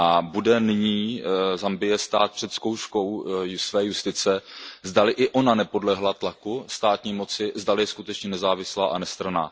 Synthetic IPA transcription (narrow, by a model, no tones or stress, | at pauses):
ʔabudɛnɪɲiːzambɪjɛst̪aːt̪̚pr̝̥ɛt̪sko̞wʃko̞wsvɛːjust̪ɪt͡sɛzdalɪʔɪʔo̞nanɛpo̞dlɛɦlat̪lakust̪aːt̪ɲiːmo̞t͡sɪzdalɪjɛskut̪ɛt͡ʃɲɛnɛzaːvɪslaːʔanɛst̪ɾana̰ː